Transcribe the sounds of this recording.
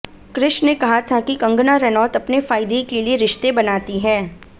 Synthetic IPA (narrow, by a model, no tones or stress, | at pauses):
kɾɪʃnekɐɦat̪ʰakikɐ̃ŋɡnaɾɛnɔːt̪ɐpnefaːɪd̪ekelieɾɪʃt̪ebɐnaːt̪iɦɛː